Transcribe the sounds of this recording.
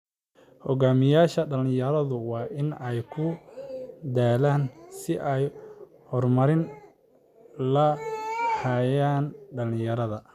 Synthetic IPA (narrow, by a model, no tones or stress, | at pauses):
hɔɣaːmɪjaːʃɐɖɐlɪjɐɾɐðʊwɑːʔɪnɛjkʰʊ | d̪aːlaːnsɪʔɛj | hɔrmɐɾɪn | lɐ | hɐjaːnɖɐlɪjɐɾɐðɐ